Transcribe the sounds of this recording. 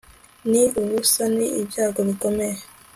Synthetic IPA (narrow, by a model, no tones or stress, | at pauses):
niuβusaniːbjaːɡoβiko̞meje